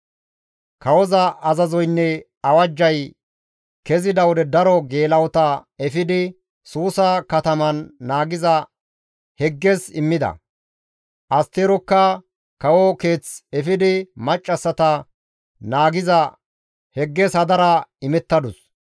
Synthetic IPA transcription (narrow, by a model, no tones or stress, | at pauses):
kɐwɔzɐɐzɐzɔjnːɛ | ɐwɐd͡ʒːɐj | kɛzɪd̪ɐwɔd̪ɛd̪ɐɾɔɡe̞ːlɐwɔt̪ɐɛfɪd̪ɪ | suːsɐkɐt̪ɐmɐnːaːɡɪzɐ | hɛɡːɛsɪmːɪd̪ɐ̰ | ʔɐst̪eːɾɔkːɐ | kɐwɔkeːt͡sɛfɪd̪ɪmɐt͡ʃʼːɐsːɐt̪ɐ | naːɡɪzɐ | hɛɡːɛsɐd̪ɐɾɐɪmɛt̪ːɐd̪ʊs